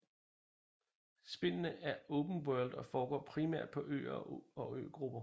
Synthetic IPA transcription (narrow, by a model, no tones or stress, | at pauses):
sb̥e̝nənəʔæɐɔʊb̥n̩wœɐld̥ɒ̽fɒːɡ̥ɒ̰ːpʰʁimæ̰ɐ̰d̥̚pʰɒ̽ʔø̰ːɒɒ̽ø̰ːɡ̥ʁub̥ɐ